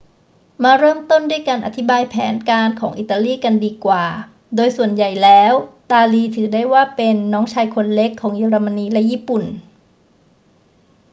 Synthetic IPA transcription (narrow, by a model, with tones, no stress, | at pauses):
maː˧ɾɤː˥˩mt̪o˥˩ndu˥˩jkaː˧nʔa˧t̪ʰi˦˥baː˧jpʰɛ̰ː˩˦nkaː˧nkʰɔː˩˦ŋʔḭ˨˩t̪ːa˧liː˥˩ka˧ndiː˧kwaː˨˩ | doː˧jsu˨˩ənja˨˩jlɛː˦˥wt̪aː˧liː˧t̪ʰɯː˩˦daː˥˩jwaː˥˩pe˧nːɔː˦˥ŋt͡ɕʰaː˧jkʰo˧nle˦˥kʰːɔː˩˦ŋjeː˧ɾa˧ma˧niː˧lɛ˦˥ʔjiː˥˩pu˨˩n